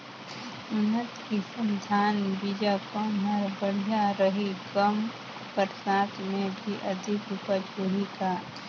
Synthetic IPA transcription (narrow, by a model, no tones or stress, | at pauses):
ʊnət̪kisə̃nd̪ʱaːnbid͡ʒakə̃nɦəɾbəɽ̤ijaɾəɦiɡəm | kəɾsaːt̪mẽbʱiʔɐd̪ʱɪkʊpət͡ʃʰoːɾikaː